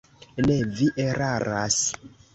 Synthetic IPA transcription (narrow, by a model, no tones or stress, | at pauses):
neviʔeɾaɾas